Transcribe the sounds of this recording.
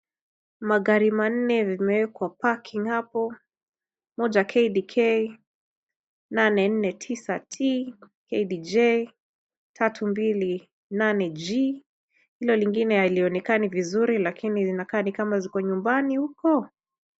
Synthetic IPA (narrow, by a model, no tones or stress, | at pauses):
maɣaɾiman̩nɛvimɛwɛkwapakʰiŋhapɔ | mɔd͡ʒakʰɛidikʰɛj | nanɛn̩nɛtʰisatʰi | kɛjdid͡ʒɛj | tʰatʰumbili | nanɛd͡ʒi | hilɔliŋɡinɛhaliɔnɛkanivizuɾilakinizinakaːnikamazikɔɲumbanihukɔ